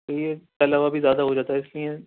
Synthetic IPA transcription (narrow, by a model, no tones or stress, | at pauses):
ojet̪ɐlaːʋabʱizjaːd̪aɦod͡ʒaːt̪aɦɛɪsliẽ